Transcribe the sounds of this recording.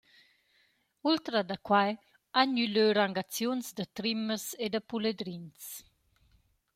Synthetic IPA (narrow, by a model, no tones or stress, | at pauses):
ult̪ɾad̪akwaj | aɲyløɾaŋɡat͡sjunzd̪ət̪ɾiməsed̪əpuled̪ɾins